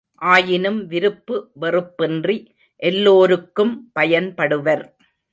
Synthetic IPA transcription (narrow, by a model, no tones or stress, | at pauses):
ʔaːjɪnɯmʋɪɾɯpːɯʋɛrɯpːɪndri | ʔɛlːoːɾɯkːɯmpɐjɐnpɐɽɯʋɐɾ